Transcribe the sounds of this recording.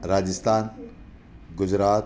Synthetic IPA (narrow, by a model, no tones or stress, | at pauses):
ɾaːd͡ʒɪst̪aːn | ɡʊd͡ʒɾaːt̪